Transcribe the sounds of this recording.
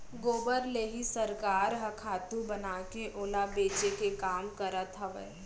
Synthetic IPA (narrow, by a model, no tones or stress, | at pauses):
ɡoːbəɾleːɦisɐɾkaːɾɦɐkʰaːt̪ũbɐnaːkeʔoːlabeːt͡ʃekekaːmkəɾət̪ɦɐʋə̰